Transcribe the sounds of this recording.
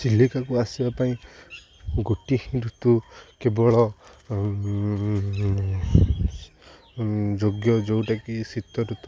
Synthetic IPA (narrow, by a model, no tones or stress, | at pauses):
silikakuasibapaĩ | ɡoʈihĩɾut̪ukebɔɭɔ | d͡ʒoɡjɔd͡ʒowʈakisit̪ɔɾut̪u